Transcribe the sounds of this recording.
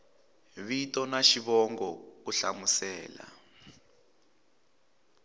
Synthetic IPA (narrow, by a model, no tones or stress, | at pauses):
βitɔnaʃiβɔŋɡɔuɬamusɛːla̰